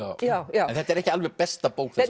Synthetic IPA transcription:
ajajaɛnθɛht̪ɛɾɛhcɪalvɛɣpɛst̪apowkθ

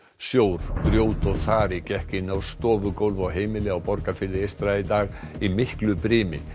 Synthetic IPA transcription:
sjowɾ̥pɾjoːwt̪ɔɣθaːɾɪcɛhcɪnawst̪ɔːvʏkowlvawɦeːjmɪlɪawpɔɾkafɪðɪejst̪ɾait̪aːɣimɪhklʏpɾɪːmɪ̰n

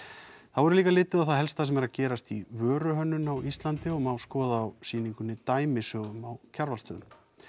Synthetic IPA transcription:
θaðvɔɾʏliːkalɪːt̪ɪðawθaðɦɛlst̪asɛmɛɾaðcɛːɾast̪ivœːɾʏɦœnːʏnawʔist̪lant̪ɪɔmawskɔːðaːwsiːniŋkʏnːɪt̪aːjmɪsœːɣʏmawcʰaɾvalst̪œːðʏm

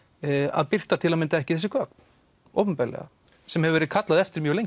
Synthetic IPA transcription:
a̰ðpɪr̥t̪at̪ʰɪlamɪnt̪aɛhcɪ̥θɛs̬ːɪkœːkn | o̰wpʏmpɛɾlɛ̰ɣa̰ | sɛmhɛvɪvɛɾɪðkʰat̪laðɛft̪ɪɾmjœːɾlejɲ

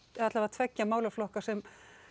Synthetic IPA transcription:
at̪lavat̪ʰvɛcːamaːwlaflɔhkasɛm

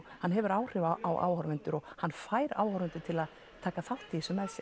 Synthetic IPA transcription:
hanːɦɛvʏɾaːwr̥ɪvaʔawʔa̰ːwhɔɾvɪnt̪ʏɾɔɣhanːfaːjɾa̰ːwhɔɾvɪnt̪ʏɾt̪ʰɪlað | t̪ʰaːkaθawht̪ɪsʏmɛðs

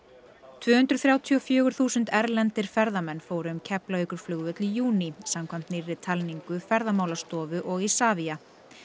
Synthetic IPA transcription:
t̪ʰvʏːhʏnt̪ɾʏ̥θɾaːwt̪ʰiɔfjœːɣʏɾ̥θuːsʏnt̪ɛɾlɛnt̪ɪɾ̥fɛɾðamɛnːfoːwɾʏʏmcʰɛplaœkʏɾ̥flʏɣvʏt̪lijuːnisamkʰvam̥t̪nɪɾːɪt̪ʰalniŋkʏfɛɾðamaːwlast̪ɔːvʏʔɔɣisaːvia

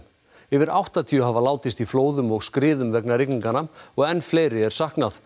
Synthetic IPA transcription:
ɛvɪɾawht̪at̪ʰiʏɦavalaːwt̪ɪst̪ifloːwðʏmɔɣskɾɪːðʏmvɛknaɾɪkniŋkanaɔɣɛnːfleːjɾɪɛɾ̥sahknaθ

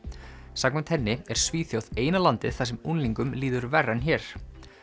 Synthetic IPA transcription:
saːk̚nmɛnt̪hɛnːɪɛɾ̥sviːθjowðeːjnalant̪ɪðθas̬ɛmunliŋkʏmliːðʏɾvɛrːançɛːɾ̥

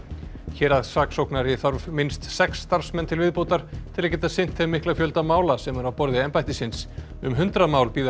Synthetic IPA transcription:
çɛːɾaðsaːksowknaɾjɛθɔɾvmɪnst̪sɛksːt̪aɾ̥smɛnːt̪ʰɪlvɪðpowt̪aɾ̥t̪ʰɪlacɛːt̪asɪn̥t̪θɛmɪhklafjœlt̪amaːwlasɛmɛɾawpɔɾðɪɛmpajht̪ɪsɪns | ʏmɦʏnt̪ɾamaːwlpiːð

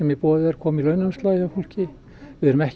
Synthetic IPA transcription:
ɛmjɛpɔːðʏɛɾ̥kʰɔːmilœɥnanst̪laːðhɛhul̥cɪ | vɪðɛɾʏmɛhc

